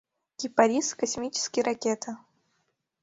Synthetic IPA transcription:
ɡ̥ʲɪpɐɾʲiskɐsʲmʲit͡ɕɪ̥skʲɪjɾɐkʲet̪ʰə

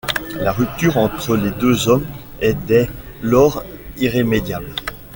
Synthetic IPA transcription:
laʁyp̚t̪yːʁɑ̃t̪χəled̪øzɔm | ɛd̪ɛ | lɔʁiʁemed̪jabl

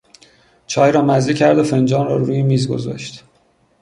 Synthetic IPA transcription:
t͡ʃʰɒːjɾɒːmæzd̪icʰæɾd̪ofend͡ʒɒːnɾɒ̰ːɾuːjemiːzɡo̰zɒ̰ʃt̪

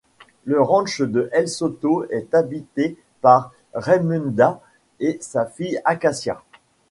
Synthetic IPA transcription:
ləʁɑ̃ʃd̪əʔɛlsot̪oɛt̪abit̪e | paʁː | ɛmynd̪a | esafijakasja̰

